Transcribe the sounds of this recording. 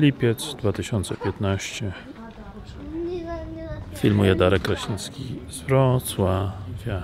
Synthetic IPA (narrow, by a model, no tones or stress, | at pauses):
lʲipʲjɛt̪sd̪vat̪ɘɕɔnt̪sɛpʲjɛt̪naɕt͡ɕɛ | fʲilmujɛd̪aɾɛkːɾaɕinskʲḭzvɾɔt̪swavʲja